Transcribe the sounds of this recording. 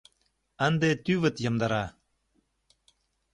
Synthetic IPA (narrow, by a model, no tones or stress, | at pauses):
ænd̪et̪yβɘ̆t̪jɤ̆md̪ɑ̆ɾɑ